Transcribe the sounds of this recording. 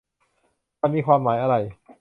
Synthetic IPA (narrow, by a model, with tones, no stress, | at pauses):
ma˧nmiː˧kʰwaː˧mːaː˩˦jʔa˧ɾa˧j